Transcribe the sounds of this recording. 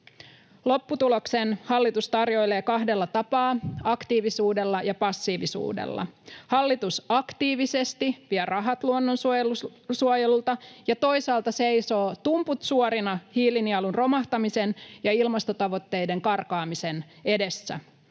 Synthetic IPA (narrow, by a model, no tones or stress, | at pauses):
lo̞pːut̪ulo̞ksenhɑlːit̪ust̪ɑrjo̞ile̞ːkɑɦde̞lːɑt̪ɑpɑːɑkt̪iːʋisuːde̞lːɑjɑpɑsːiːʋisṵːdḛlːɑ̰hɑlːit̪usɑkt̪iːʋise̞st̪iʋiɛrʔɑɦɑt̪luonːo̞nsuusuojelult̪ɑjɑt̪o̞jsɑːlt̪ɑse̞jso̞ːt̪umput̪suoɾinɑhiːliniɑlunro̞mɑht̪ɑmise̞njɑilmɑst̪o̞t̪ɑʋo̞t̪ːe̞jde̞ŋkɑrkɑːmise̞n | e̞de̞sːæ̰